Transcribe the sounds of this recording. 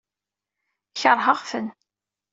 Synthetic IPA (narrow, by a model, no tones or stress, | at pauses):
çəɾˤɦəʁfən